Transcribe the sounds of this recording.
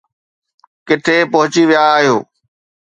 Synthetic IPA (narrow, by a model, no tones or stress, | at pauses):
kɪʈ̪ʰepɐɦʊt͡ɕiʋijaːɦijoː